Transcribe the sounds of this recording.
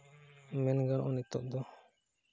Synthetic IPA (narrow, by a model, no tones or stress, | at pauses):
mɛnɡaɽ̃ɔ̰ʔɔnit̪ɔʔd̪ɔ